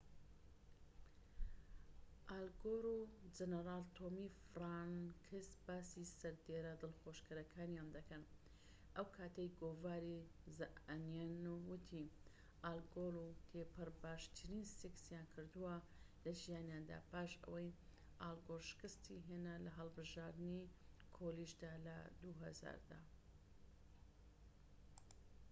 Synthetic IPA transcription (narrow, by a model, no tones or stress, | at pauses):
ʔalɡoɾud͡ʒɐnəɾaːlt̪ʰomifɾankʰisbaːsisɐɾd̪eɾɐd̪ɨlxoʃkɨɾɐkʰaːnjaːnd̪ɐkɐn | ʔɐwkʰaːt̪ɐjɡoːvaːɾizaʔnjanuwʊt̪ʰi | ʔalɡolut̪ʰepʰɨɾbaːʃt̪ʰɨɾiːnsiksjankʰɨɾd̪uwɐ | lɐʒijaːnjand̪a̰ːpaːʃɐ̰wɐj | ʔaːlˠɡolˠʃɨ̥kɨst̪ʰiɦeːnalɐɦɐlˠbɨʒaːɾd̪ɨni | kʰoliʃd̪aːlɐ̰d̪uɦɐ̰za̰ːɾd̪a̰